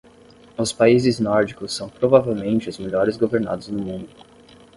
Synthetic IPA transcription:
ʊspaizɪznɔɾd͡ʒikʊsːɐ̃w̃pɾovavewmẽnt͡ʃɪʊzmeʎɔɾɪzɡoveɾna̰d̪ʊznʊmũnd̪ʊ

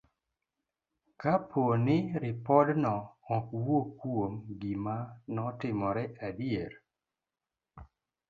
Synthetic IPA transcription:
kapʰonɪɾɪpɔdnɔːkwokwomɡimanɔtɪmɔɾɛadjeɾ

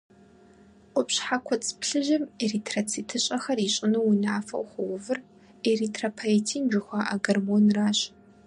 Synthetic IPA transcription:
ʔʷʼʊpɕħakʷʰɔt͡sʼpɬɨʒɪmeritʰrɐt͡sʰitʰɨɕʼɐxɐriːɕʼɪnɐwinaːfɐ̰wxʷɔwʊvɨr | eritʰrɐpʰaetʰiːnd͡ʒʷɪxʷaːʔa̰ɡɐrmonraːɕʼ

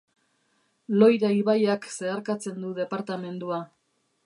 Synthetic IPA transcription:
lo̞jɾaiβajakse̞aɾkat͡se̞nd̪uðe̞paɾt̪ame̞nd̪ua

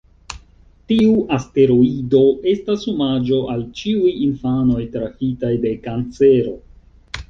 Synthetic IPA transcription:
tiuʔaste̞ɾoido̞e̞stashumad͡ʒo̞ʔalt͡ʃiujinfano̞jtɾaxitajde̞kant͡se̞ɾo̞

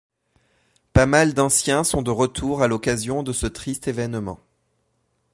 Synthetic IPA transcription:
pamald̪ɑ̃sjɛ̃sɔ̃d̪əʁət̪ʰuʁalɔkazjɔ̃d̪əsət̪χist̪evɛnmɑ̰̃

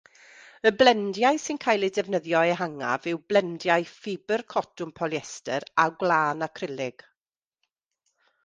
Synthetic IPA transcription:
əblɛndjaɨsɪnkʰaːjlˠidɛvnəðjɔɛɦaŋa̰vɪwblɛndjaɨfɪbərkʰɔtʊmpʰɔlˠjɛstəɾaɡlaːnakʰrɪlˠɪɡ̥

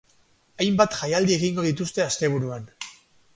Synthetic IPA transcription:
ajmbat̪ʝajald̪ie̞ɣiŋɡo̞ð̞it̪ust̪e̞ast̪e̞β̞uɾuan

